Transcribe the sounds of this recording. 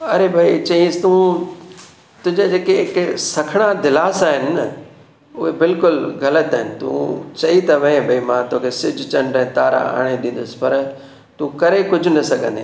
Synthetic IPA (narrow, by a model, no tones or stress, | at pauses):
ɐɾebʱait͡ɕɐĩəsɪ̥t̪ũː | t̪ʊ̃ɦɪ̃ɲd͡ʑad͡ʑeːkeɪksɐkʰɪɽ̃ad̪ɪlaːsaːɦɪnɪ̆n | ʊɦebɪlkʊlɣɐlət̪aːɦɪnɪ̆t̪ṵ̃ːt͡ɕɐit̪ɐʋẽbʱɐimãt̪oːkʰesɪd͡ʑʱt͡ɕɐ̃ɳɖɛ̃t̪aːɾa̰a̰ːɽ̃ed̪ĩn̆d̪ʊsɪ̥̆pɐɾ | t̪ũkɐɾekʊd͡ʑʱʊ̆nɐsɐɡʱə̃nd̪ḛ